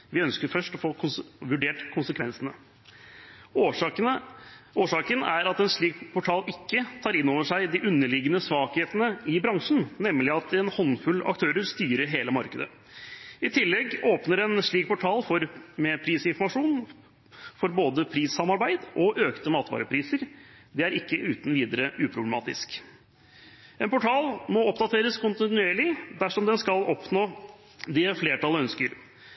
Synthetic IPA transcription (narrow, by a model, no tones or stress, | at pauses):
ʋɪœnskəɾfœʂʈɔfoːʊʋʉɖeːʈkʰʊnsəkʰʋɛnsənə | oːʂɑːkənæɾɑt̪ɛnʂɭiːkpʰɔʈʰɑːlɪkːət̪ʰɑːɾɪnːoːʋəʂæɪd̪ɪʔʉnːəɭɪɡənəsʋɑːkheːt̪ənəɪbɾɑŋʂɳ̩nɛmːlɪɑt̪ɛnhɔnːfʉlɑ̰kt̪ʰøːɾəɾst̪yːɾəɾɦeːləmɑɾkəd̪ə̰ | ɪt̪ʰɪlːɛɡoːpnəɾɛnʂɭiːk̚pʰʊʈʰɑːlfɔɾmɛpʰɾiːsɪnfɔɾmɑʂuːn | fɔɾboːd̪əpʰɾiːsɑmɑɾbæɪd̪ʔɔʔøːkt̪əmɑːt̪ʋɑ̰ːɾəpʰɾiːsəɾ | d̪ɛæɾɪkːəʔʉːt̪n̩ʋiːd̪əɾəʔʉːpʰɾʊblɛmɑ̰ːt̪ɪ̰sk | ɛnpʊʈʰɑːlmɔɔpd̪ɑt̪ʰeːɾəskʰʊnt̪ɪnʉeːɭɪd̪æʂɔmd̪ɛnskɑlɔpnoː | d̪ɪfleːʈɑlœnskəɾ